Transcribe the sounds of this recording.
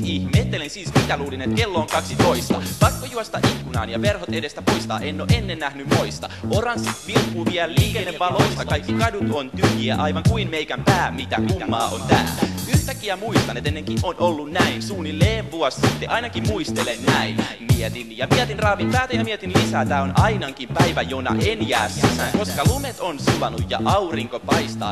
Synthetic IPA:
ihmet̪ːelensiːsmit̪æluːlinet̪kelːoːŋkɑksit̪oist̪ɑ̰pɑkːojuɑst̪ɑ̰ʔikːunɑ̰ːnjɑʋerhot̪edest̪æpoist̪ɑ̰ːʔenːoːʔenːennæhnymmoist̪ɑ̰ʔorɑnsːit̪ʋirkːuʋiɛlliːkenːeɑloist̪ɑkɑikːikɑdut̪ont̪yhiæʔɑiʋɑŋkuinmeikæmpæːmit̪æmiæmːɑːʔont̪æ̰ːlːæ̰yht̪ækːiæmuist̪ɑnːet̪enːeŋkiʔonʔolːunnæinsuːnilleːʋʋuɑssit̪ːeʔɑinɑkimmuist̪elennæinmiet̪injɑmiɛt̪inrɑːʋimpæːt̪æjɑmiɛt̪inlisæːt̪æːonɑinɑŋkimpæiʋæjonɑ̰ʔenjæːsæsækoskɑlumet̪onsuʋɑnujjɑ̰ʔɑuriŋkopɑist̪ɑ̰ː

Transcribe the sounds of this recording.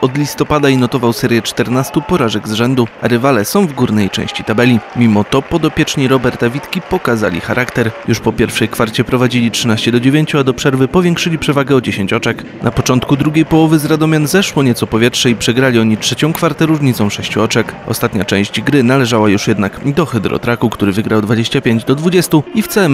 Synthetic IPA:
ɔd̪lʲist̪ɔpad̪ainɔt̪ɔvawsɛɾʲjɛt͡ʂt̪ɛɾnast̪upɔɾaʐɛɡzʐɛnd̪ua̰ɾɘvalɛsɔ̃w̃vɡuɾnɛjt͡ʂɛ̰̃w̃ɕt͡ɕi̥t̪abɛlʲimʲimɔt̪ɔpɔd̪ɔpʲjɛt͡ʂɲiɾɔbɛɾt̪avʲit̪kʲipɔkaza̰lʲḭxaɾʔakt̪ɛɾjuʂpɔpʲjɛɾfʂɛjkfaɾt͡ɕɛpɾɔvad͡ʑilʲitʂɘnaɕt͡ɕɛd̪ɔd͡ʑevʲjeɲt͡ɕuad̪ɔpʂɛɾvɘpɔvʲjɛŋkʂɘlʲipʂɛvaɡɛɔd͡ʑeɕeɲt͡ɕɔt͡ʂɛk | napɔt͡ʂɔnt̪kud̪ɾuɡʲejpɔwɔvɘzɾad̪ɔmʲjanzɛʂwɔɲɛtsɔpɔvʲjɛtʂɛipʂɛɡɾalʲiɔɲitʂɛt͡ɕɔ̃w̃kfaɾt̪ɛɾuʐɲit̪sɔ̃w̃ʂɛɕt͡ɕuɔt͡ʂɛkʔɔ̰st̪at̪ɲat͡ʂɛ̰̃w̃ɕd͡ʑɡɾɘnalɛʐawajuʂjɛd̪nakd̪ɔxɛd̪ɾɔ̰t̪ɾakukt̪uɾɘvɘɡɾawd̪vad͡ʑeɕt͡ɕapʲjeɲd͡ʑd̪ɔd̪vud͡ʑɛst̪uift̪sɛm

